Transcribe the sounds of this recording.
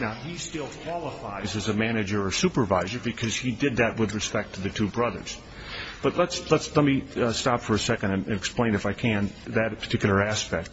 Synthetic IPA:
naʊistɪlˠkʰw̥ɑlˠəfaɪzɨzɨmænɨd͡ʒə˞ə̥sʉpə˞vaɪzə˞bɨkʰʌz̥idɨd̪̚ðɨt̚wɨðɹɨspɛk̚tʰɨðɨtʰʉbɹʌðə̰˞z̥ | b̥ʌtˡlətslətslɛt̚mistɑpfə˞ɨsɛkɨ̃ndɨ̃nɨ̃nɛksplẽɪ̃nɨfaɪkʰɨ̃nðɨɾpʰə̥˞tʰɪkjl̩ˠə˞æspɛk̚t̚

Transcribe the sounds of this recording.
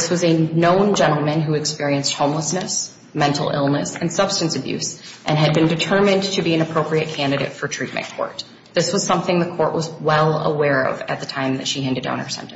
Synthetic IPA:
swʌzɨnõʊ̃nd͡ʒɛ̃ñˡl̩ˠmɨ̃nɦuɨkspɪɹiɨ̃nst̚hõʊ̃mləsnɨs | mɛ̃ntˡl̩ˠɪ̰lˠnɨsɨ̃nsʌb̥stɨ̃n̩sɨbjʉ̰sʔɨ̃nɨd̚bɨ̃ndɨtʰɜ˞mɨ̃ntʰɨbiɨ̃nɨpʰɹ̥oʊpɹiɨt̚kʰæ̃ndɨɾḛɪtfə˞tʰɹ̥it̚mɨ̰̃nkʰɔ̰ɹt̪̚ | ðɪswʌz̥sʌ̃mθɪ̃ŋðɨkʰɔɹʔwʔʌzwɛlˠə̰wɛɹʌ̰vɨ̰t̪̚ðɨtʰãɪ̃mðɨtʃiɦæ̃ndɨdã̰ʊ̃nə˞sɛ̰̃ntɨ̃n

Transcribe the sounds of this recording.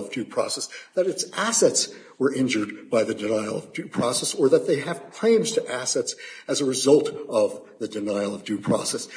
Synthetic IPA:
ʌvdʉpʰɹ̥ɔ̰sɛsðɨɾɨtsʔæsɛts | wə˞ʔɪ̃nd͡ʒə˞d̚baɪðɨdɨnaɪl̩ˠʌvdʉpʰɹ̥ɔsɛsə˞ðɨt̪̚ðeɪɨv̥kʰl̥ẽɪ̃mz̥tʰɨʔæsɛtsɨzəɹɨzʌlˠtʌvðɨdɨnaɪl̩ˠʌvdʉpʰɹ̥ɔ̰sɛs

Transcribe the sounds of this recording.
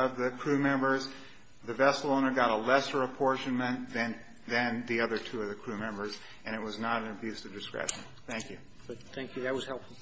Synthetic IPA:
ʌvðɨkʰɹ̥ʉmɛ̃mbə˞z | ðɨvɛsəlˠõʊ̃nə˞ɡɑɾəlɛsə˞əpʰɔɹʃɨ̃nmɨ̃nðɨ̃n | ðɨ̃nðiʌðə˞tʰʉʌvðɨkʰɹ̥ʉmɛ̃mbə˞z | ʔɨ̃ɾ̃ɨt̚wʌznəɾɨ̃nɨbjʉsʌvdɨskɹɛ̰ʃɨ̰̃n̩ | θæ̃ŋkjʉ̥ | θæ̃ŋkʰjʉðɨt̚wʌz̥hɛlˠpfl̩ˠ

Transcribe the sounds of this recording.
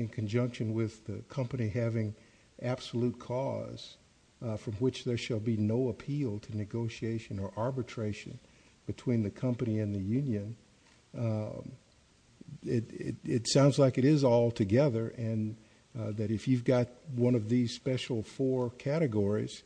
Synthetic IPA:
ɨ̃nkʰɨ̃n̩d͡ʒʌ̃ŋkʃɨ̃nwɪðɨkʰʌ̃mpɨniɦævɪ̃ŋ | ʔæb̥səlut̚kʰɔ̰z̥ | fɹʌ̃mwɪt͡ʃðə˞ʃəlˠbinoʊəpʰilˠtʰɨnɨɡoʊʃieɪʃɨ̃nə˞ʔɑɹbɨtʰɹ̥eɪʃɨ̰̃n | b̥ɨtʰw̥ĩnðɨkʰʌ̃mpɨniɨ̃nðɨjʉ̃njɨ̃n | ɪɾɪɪtsãʊ̃ndzlaɪkɨɾɪzɔlˠtʰɨɡɛðə˞ʔɨ̃n | ðɨɾɨfjʉvɡɑt̚wʌ̃ñʌvðiz̥spɛʃl̩ˠfɔɹkʰæɾɨɡɔɹiz̥

